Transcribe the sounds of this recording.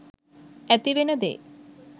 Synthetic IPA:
æt̪iʋenəd̪ḛː

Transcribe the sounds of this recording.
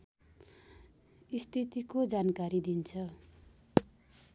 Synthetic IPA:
ist̪ʰit̪ikod͡zankaɾid̪int͡sʰʌ

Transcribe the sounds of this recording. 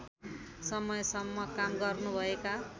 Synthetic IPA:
sʌmʌjsʌmːʌkamɡʌrnubʱʌeka

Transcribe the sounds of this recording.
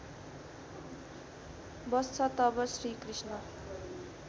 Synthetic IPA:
bʌst͡sʰʌt̪ʌbʌsrikrisnʌ

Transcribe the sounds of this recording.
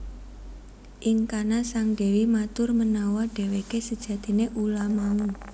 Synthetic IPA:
ʔɪŋkanasaŋɖ̥e̤wimat̪ʊrmənawaɖ̥e̤wekesəd̥ʒ̥ä̤d̪̥i̤neʔulamaŋu

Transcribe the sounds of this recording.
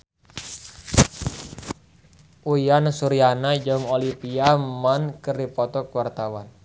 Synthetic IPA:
ʔujansuɾianad͡ʒɔŋolipiamankəripɔt̪ɔkwart̪awan

